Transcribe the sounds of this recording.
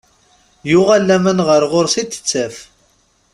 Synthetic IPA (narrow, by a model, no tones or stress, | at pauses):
jʊʁalːæmənʁəɾʁʊɾsit̪ːə̥t͡sːæf